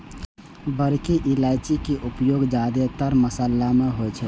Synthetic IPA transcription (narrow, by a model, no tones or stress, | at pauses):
bəɾkeʔilajt͡ʃikeʔupjoɡd͡ʒad̪et̪əɾməsəlːameɦojt͡ʃʰɛ